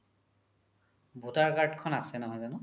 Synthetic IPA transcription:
bʱutaɹkaɹdkʰɔnasɛnɔɦɔjzanʊ

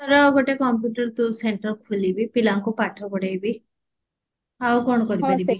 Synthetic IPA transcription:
t̪ɔɾawɡoʈekɔmp̬juʈəɾt̪useɳʈəɾkʰulibipilaŋkupaʈʰɔkɔɽejbi | awkoɳ̃ɔkɔɾipɔɾii

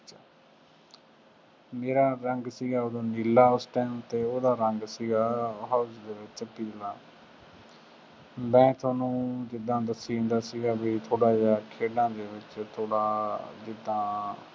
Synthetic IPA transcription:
meːɾaːɾəŋɡsiːɡaːoːd̪õːniːlːaːʊsʈɛːmt̪eːoːd̪aːɾəŋɡsiːɡaːɦaʊsd̪eːʋɪt͡ʃpiɾlaː | mɛ̃ːt̪ʰaːnũːd͡ʒɪd̪ãːd̪əsĩːnd̪aːsiːɡaːbiːt̪ʰoːɽaːd͡ʒaːkʰeːɖãːd̪eːʋɪt͡ʃt̪ʰoːɽaːd͡ʒɪd̪ãː

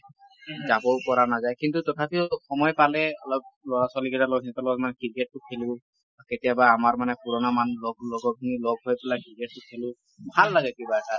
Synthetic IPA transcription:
zabɔkɔɹanazajkintutɔtʰapixɔmɔjpalɛɔlɔp̚lɔɹaswalikɛtalɔɡʰnɛtalɔɡmankiɹket̚tʊkʰelʊ | aketijabaːmaɹmanɛkuɹɔnamanlɔɡ̚lɔɡɔinilɔɡ̚ɦojpɛlakiɹket̚tʊkʰelʊ̃ | bʱalːaɡɛkibaɛta

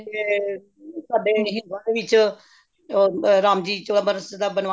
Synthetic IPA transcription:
saːɖeːɦɪ̃naːɾeʋɪt͡ʃ | ɾaːmd͡ʒiːt͡ʃəɽəbəɾəsd̪aːbənʋa

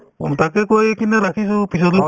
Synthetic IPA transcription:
t̪akekojekinɛɾakʰis̬upis̬ɔt̪l

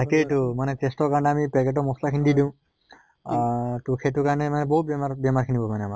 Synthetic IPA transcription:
akeʈumanɛtestɔkaɹneamipɛkeʈ̬ɔmɔslakʰinididĩʊ̃ | tukʰetukanɛmanɛbɔɦut̪̚bemabjɛmaɾkʰinibɔmanɛama

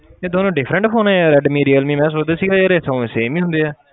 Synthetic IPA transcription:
eːd̪oːnõːɖɪfʰɾə̃ɳʈpʰoːnɛːɾɛɖmiːɾiːəlmĩːmɛ̃ːs̬oːd͡ʒd̪aːsiːɡaːeɾesə̃seːmiːɦʊ̃nd̪eːɛː

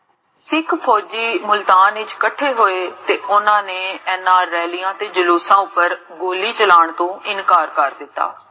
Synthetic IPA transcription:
sɪkʰpʰɔːd͡ʒiːmʊlt̪aːnɪt͡ʃkəʈʰeɦoːet̪eːʊnãːneɛnaːɾːɛːlijãːt̪eːd͡ʒəluːsãːʊpːəɾ | ɡoːlit͡ʃəlaːɳ̃t̪õːɪnkaːɾkəɾd̪ɪt̪ːa̰ː

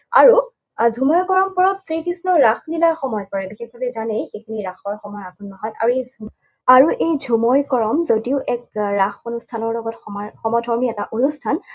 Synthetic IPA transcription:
a̰ɹu | dʱumɔjkɔɹɔmpɔɹɔpsɹikisnɔɹaxnilaɹxɔmɔjɔpɔɹɛbixex̚bʱabɛzanejxekʰiniɹaxɔɹxɔmɔjakunːɔɦɔjta̰ɹuej | aɹuʔejdʱumɔjkɔɹɔmzodiʊʔɛk̚ɹaxonustʰanɔɹlɔɡɔtxɔmaxɔmɔdʱɔɹmiɛtaʔonustʰan

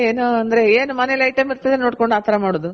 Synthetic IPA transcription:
eːnuɐnd̪ɐɾe̞eːnumɐnelɐjʈɐmiɾt̪ɐd̪enoːʈkoɳɖaːt̪ʰɐɾɐmaːɽoːd̪u

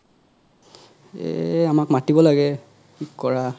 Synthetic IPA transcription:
ɛ̰amakmatibɔlaɡɛ | ikkɔɹa

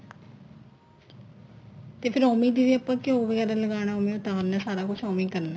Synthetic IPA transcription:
t̪eːpʰɪɾɔːmĩd̪iʋeɐpːəkeoːʋəɡɛːɾaləɡaːñaɔːmĩʊt̪aːɾnasaːɾakʊt͡ʃʰɔːmɪ̃ŋkɐɾna

